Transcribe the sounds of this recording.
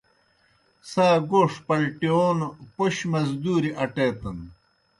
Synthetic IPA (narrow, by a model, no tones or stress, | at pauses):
saːɡoːʂpɐlʈioːnopoɕmɐzd̪uːɾiʔɐʈeːt̪ɐn